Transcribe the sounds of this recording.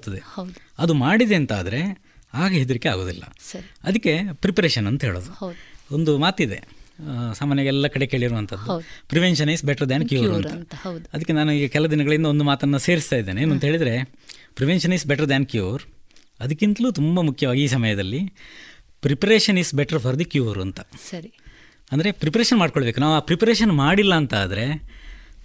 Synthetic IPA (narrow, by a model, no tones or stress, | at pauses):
t̪ːɐd̪eɐɐd̪umaːɽid̪e̞ːnt̪a̰ːd̪ɐɾe̞ | aːɡeɦed̪uɾikːea̰ːɡo̞ːd̪ḭlːɐ̰sɐɐd̪ɐkːe̞pɾipɐɾeːʃɐnɐnt̪ɐɦe̞ːɭo̰ːd̪uond̪umaːt̪id̪e̞̰saːmaːnjɐɡɐɛlːɐkɐɽe̞keːɭiɾuʋɐnt̪ʰɐd̪ːupɾiʋenʃɐniːsbɛʈɐɾd̪ankjuːɾuɐnɾɐɐd̪ɐkːenaːnuiːɡɐkɛlɐd̪inɐɡɐɭind̪ɐo̞nd̪umaːt̪ɐnːɐse̞ːɾist̪aːjid̪ːeːneːnuɐnt̪ɐɦeːɭid̪ɐɾe̞ | pɾiʋenʂɐnisbɛʈɐɾd̪æːnkjuːɾ | ɐd̪ɐkːint̪ɐluːt̪umbɐmukʰjɐʋaːɡiiːs̬ɐmɐjɐd̪ɐlːi | pɾipɐɾeːʂɐniːsbɛʈɐɾpʰɐɾd̪ikjuːɾuɐnt̪ɐsɐɾi | ɐnd̪ɐɾe̞pɾipɐɾeːʃɐnmaːɖkoɭɐbe̞ːkunaːʋaːpɾipɐɾeːʃɐnmaːɽilːɐːnt̪aːd̪ɐɾe̞